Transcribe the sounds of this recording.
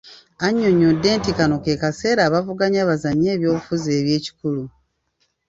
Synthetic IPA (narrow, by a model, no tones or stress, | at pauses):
aɲːoɲːodːe̞ːntikanokeːkase̞ːɾaːβavuɡaɲaːβazaɲeːβjo̞ːβufuzeːβje̞ːci̥kulu